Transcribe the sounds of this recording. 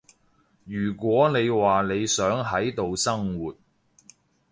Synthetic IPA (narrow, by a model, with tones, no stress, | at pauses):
jyː˨˩kʷwɔː˨˥ne˨˧jwaː˨ne˨˧jsœː˨˥ŋɦɐ˨˥jt̪o˨wsɐ˥ŋwuː˨t̚